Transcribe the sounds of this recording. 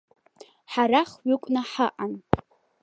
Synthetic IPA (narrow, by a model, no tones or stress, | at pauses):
ħaɾaχɥʏkʷʼnaħaʔan